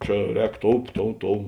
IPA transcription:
ˈt͡ʃʲɛ ˈrʲɛːk ˈtoːʊ ˈtoːʊ ˈtoːʊ

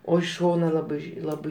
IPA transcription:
oː ɪʃ ˈʃoːnɐ ˈlˠɑːbɐɪ ˈlˠɑːbɐɪ

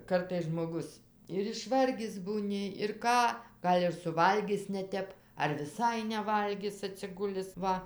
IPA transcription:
ˈkɐrtɐɪs ʒmoːˈɡʊs ɪr ɪʃˈʋɐrʲɡʲɪs buːˈnʲɪ ɪr ˈkɑː ˈɡɐlʲ ɪr sʊˈʋɐlʲɡʲɪs nʲɛˈtʲɛp ɐr ʋʲɪˈsɐɪ nʲɛˈʋɐlʲɡʲɪs ɐtʲsʲɪˈɡʊlʲɪs ˈʋɐ

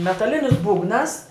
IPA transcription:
mʲɛtɐˈlʲɪnʲɪs ˈbuːɡnɐs

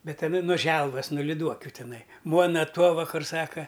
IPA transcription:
ˈbʲɛt ɐˈnɐ noː ˈʒʲɛlˠʋɐs noː lʲɪˈduɔkʲʊ ˈtʲɪnɐɪ ˈmuɔnɐ ˈtuɔʋɐ ˈkʊr ˈsɑːkɐ

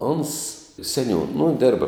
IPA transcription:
oːns sʲɛˈnʲuːn nʊ ˈdʲeːrbɐ

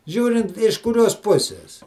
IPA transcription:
ˈʒʲuːrʲɪnt ɪʃ kʊˈrʲoːs ˈpʊsʲɪs

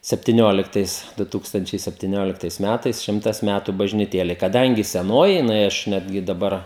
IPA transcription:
sʲɛpʲtʲɪˈnʲoːlʲɪktɐɪs ˈdʊ ˈtuːkstɐnʲt͡ʃʲɛɪ sʲɛpʲtʲɪˈnʲoːlʲɪktɐɪs ˈmʲætɐɪs ˈʃʲɪmtɐs ˈmʲætʊ bɐʒʲnʲɪˈtʲeːlʲɛɪ kɐˈdɐŋʲɡʲɪ sʲɛˈnoːjɪ jɪˈnɐɪ ˈɐʃ ˈnʲæːdʲɡʲɪ dɐˈbɐr

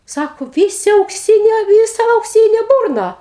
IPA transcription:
ˈsɑːkoː ˈʋʲiːsʲɪ ɐʊkˈsʲiːnʲoː ˈʋʲiːsɐ ɐʊkˈsʲiːnʲeː ˈbʊrnɐ

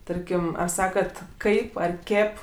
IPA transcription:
ˈtɐrʲkʲɪm ɐr ˈsɑːkɐt ˈkɐɪp ɐr ˈkʲeːp

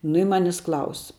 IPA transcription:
nʊ ɪ ˈmɑːnʲɪs ˈklˠɐʊs

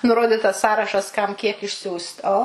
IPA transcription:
nʊˈroːdʲɪtɐs ˈsɑːrɐʃɐs ˈkɐm ˈkʲiɛk ɪʃʲˈsʲuːst ˈoː

